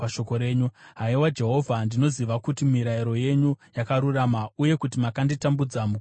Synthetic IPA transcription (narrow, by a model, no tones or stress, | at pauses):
aʃo̞ko̞ɾe̞ːɲuɦaiwad͡ʒe̞ɦo̞vʱandino̞ziʋakutimiɾaiɾo̞je̞ɲujakaɾuramauje̞kutimakanditambud͡zamu